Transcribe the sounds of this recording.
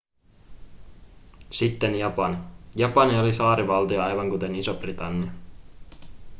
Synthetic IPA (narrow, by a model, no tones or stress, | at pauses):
sit̪ːe̞njɑpɑnijɑpɑnio̞lisɑːɾiʋɑlt̪ioɑjʋɑŋkut̪e̞nisob̥rit̪ɑnːiɑ